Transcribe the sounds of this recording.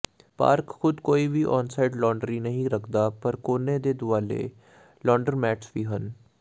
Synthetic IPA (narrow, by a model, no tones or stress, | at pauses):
pa̰ːɾkxʊd̪koːiːʋiːʔɔːnsaɪɖlɔːɳɖɾiːnəɦĩɾəkʰd̪aːpəɾkoːneːd̪eːd̪ʊaːlḛː | lɔːɳɖəɾmɛːʈʰsʋiːɦən